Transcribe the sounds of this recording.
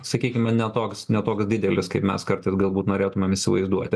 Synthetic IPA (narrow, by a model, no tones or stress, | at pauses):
sɐkʲiːkʲɪmɐnʲɛt̪oːksnʲɛt̪oːksd̪ʲɪd̪ʲɛlʲɪskɐɪpmʲɛskɐɾt̪ɐɪsɡɐlˠbuːt̪noːɾʲeːt̪ʊmʲemɪsʲɪʋɐ̰ɪzd̪uɔt̪ʲɪ